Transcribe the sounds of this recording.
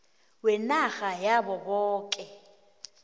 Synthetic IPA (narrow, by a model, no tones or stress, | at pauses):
wɛnaɣajabɔbɔːkʼɛ